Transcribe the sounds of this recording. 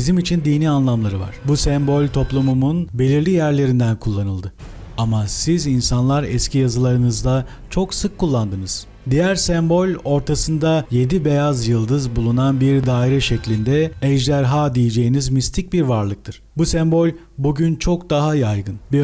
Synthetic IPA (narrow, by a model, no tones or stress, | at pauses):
izimit͡ʃʰind̪iːnianlˠamlˠaɾɯva̰ɾ̝̥busɛmbo̞lʲt̪ʰo̞plˠumumunbe̞lʲiɾlʲijæɾlʲe̞ɾind̪ænkʰulˠːanɯlˠd̪ɯ | amasizinsanlˠaɾɛscʰijazɯlˠaɾɯnɯzd̪a | t͡ʃʰo̞ksɯkʰːulˠːand̪ɯnɯz̥ | d̪ijæɾsɛmbo̞lʲo̞ɾt̪ʰasɯnd̪aje̞d̪ibe̞jazjɯlˠd̪ɯzbulˠunanbiɾd̪aːiɾɛʃɛclʲind̪ɛɛʒd̪æɾɦaːd̪ijed͡ʒe̞jinizmist̪ʰic̚biɾvaɾlˠɯk̚t̪ʰɯɾ̥busɛmbo̞lʲ | buɟynt͡ʃʰo̞kd̪aɦajajɡɯnbi